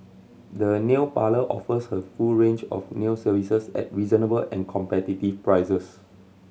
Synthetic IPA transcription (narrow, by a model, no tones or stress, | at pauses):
dəneʊpaləʔɔ̰fəshəfulɹẽnd͡ʒɔ̰fneʊsəvisəsɛ̰t̚ɹizənəbəlɛ̃nkʰɔ̃mpɛtitifpɹaɪsəs